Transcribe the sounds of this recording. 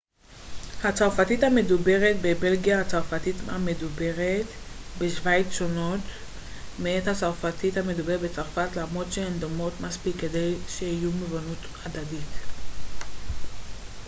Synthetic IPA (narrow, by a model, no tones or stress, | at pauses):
hat͡saʁfatithame̞d̪ube̞ʁet̪̚be̞be̞lɡijahat͡saʁfat̪it̪hamedube̞ʁetbeʃvait̪ʃo̞no̞t̪ | meet̪hat͡saʁfat̪ithame̞d̪ubetbet͡saʁfat̪lamʁo̞t̪ʃeend̪o̞mo̞t̪maspikːed̪e̞jʃehijumevanut̪ | ad̪adit̪